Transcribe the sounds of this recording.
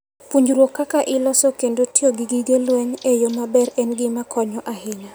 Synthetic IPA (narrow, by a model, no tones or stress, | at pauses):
puɲd͡ʒuɾwokːakaʔɪlɔsɔkendotioɡiɡiɡelwɛŋejomabɛɾɛnɡɪmakʰɔɲɔʔahɪɲa